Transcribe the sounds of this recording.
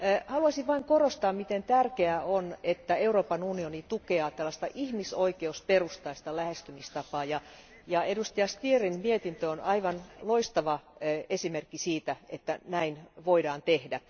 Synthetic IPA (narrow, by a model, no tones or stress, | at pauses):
hɑluɑsiʋʋɑiŋkorost̪ɑːmmit̪ent̪ærkeæonet̪ːæeuroːpɑnunionit̪ukeɑːt̪ælːɑst̪ɑʔihmisoikeusperust̪ɑist̪ɑlæhest̪ymist̪ɑpɑːjɑ | jɑedust̪iɑst̪ierinmiet̪int̪øonʔɑiʋɑnloist̪ɑʋɑesimerkːisiːt̪æet̪ːænæinʋoidɑːnt̪ehdæ